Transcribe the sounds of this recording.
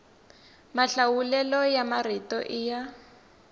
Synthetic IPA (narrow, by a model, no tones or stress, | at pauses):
maɬawulɛlɔjamaritɔʔija